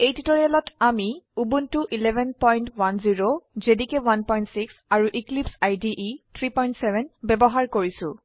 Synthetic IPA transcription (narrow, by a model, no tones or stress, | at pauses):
ejtitɔɹialɔtʰamiubuntuʔilɛbʱɛnpɔjntwanziɹozedikɛwanpɔjntsiksaɹuʔiklipsajdiʔitʰɹipɔjntsɛbʱɛnbɛbɔɦaɹkoɹisʊ̰̃